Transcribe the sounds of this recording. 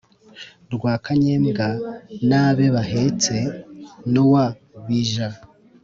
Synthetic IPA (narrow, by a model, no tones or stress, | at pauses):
ɾɡwaːkaɲeːmɡanaβe̞βaɦet͡senowa | βiʒa